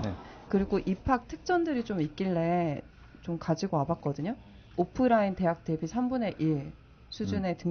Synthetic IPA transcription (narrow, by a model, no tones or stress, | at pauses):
kɯɾiɡoʔipʰak̚tʰɯ̥k̚t͡ɕ͈ʌndɯɾit͡ɕomik͈̚iɭːe̞ | t͡ɕomkad͡ʑiɡoabak͈̚ʌdɯɲo | opʰɯɾainte̞ɦak̚t͈e̞bisʰambune̞ʔiɭ | sʰud͡ʑune̞tɯ